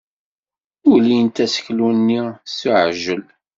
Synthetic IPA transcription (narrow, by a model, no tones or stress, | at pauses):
ʊlijənt̪æsə̥çlunːisuʕʒəl